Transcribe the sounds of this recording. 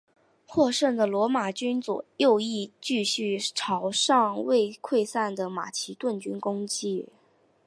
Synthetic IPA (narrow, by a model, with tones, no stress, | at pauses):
xwɔ˥˧ʂə˥˩ŋd̪ə˩lwɔ˧˥ma˨˩t͡ɕy˥nt͡swɔ̰˨˩jo˥˧ʊi˥˧t͡ɕy˥˧ɕy˥˩ʈ͡ʂʰɑ˧˥ʊʂɑ˥˧ŋwe˥˧ɪkʰwe˥˧ɪsa˥˩nd̪ə˩ma̰˨˩t͡ɕʰi˧˥t̪wə˥˩nt͡ɕy˥nkʊ˥ŋt͡ɕi˥˩